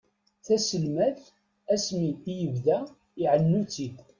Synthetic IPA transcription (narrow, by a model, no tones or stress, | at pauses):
θæsəlmæθ | æsmiijəvðæ | iʕənːut͡sːi